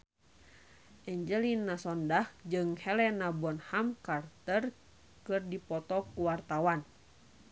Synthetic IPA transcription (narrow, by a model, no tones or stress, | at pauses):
ʔɛɲd͡ʒəlinːasɔndahd͡ʒɨŋhɛlɛnabɔnhamkart̪ər | kɨrdipɔt̪ɔkuwart̪awan